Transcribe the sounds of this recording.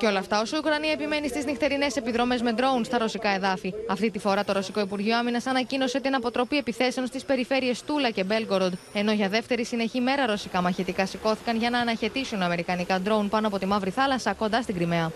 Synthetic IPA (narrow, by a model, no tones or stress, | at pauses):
ceo̞lɐːft̪ɐo̞siukɾɐniɐepime̞nist̪iznixt̪e̞ɾine̞se̞piðɾo̞me̞zme̞d̪ɾo̞unst̪ɐɾo̞sikɐe̞ðɐfiɐft̪it̪ifo̞ɾɐt̪o̞ɾo̞siko̞ipuɾʝio̞ɐminɐsɐnɐcino̞se̞t̪inɐpo̞t̪ɾo̞pie̞piθe̞se̞o̞nst̪ispe̞ɾife̞ɾie̞st̪ulɐce̞be̞lɡoɾd̪e̞no̞ʝɐðe̞ft̪e̞ɾisine̞çime̞ɾɐɾo̞sikɐmɐçet̪ikɐsiko̞θi̥kɐnʝɐnɐːnɐçe̞t̪isunɐme̞ɾikɐnikɐd̪ɾo̞unpɐnoɐp̬o̞t̪imɐvɾiθɐlɐsɐko̞nd̪ɐst̪iɡɾime̞ɐ